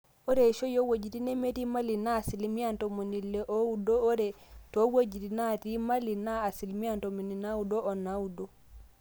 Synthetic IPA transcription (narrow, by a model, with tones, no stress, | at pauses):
ɔ˦ɾɛʃɔ˦jɔ˦wo˨d͡ʒi˨ɾi˦nɛ˦me˦ti˦ma˦li˨na˦˨si˨lmi˦antɔmo˨ni˨lːɛʔo˦u˦dɔː˦ɾɛ | tɔwo˦d͡ʒi˨ɾina˦ɾima˦li˨na˦a˨si˨lmi˦a˦ntɔ˨mo˨ni˨na˦wu˦dɔ˦ʔɔ˨naudɔ˦